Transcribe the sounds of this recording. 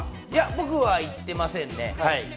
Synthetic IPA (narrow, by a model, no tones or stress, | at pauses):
jabo̞kɯ̟βait̪ːe̞masẽ̞nːe̞̰hai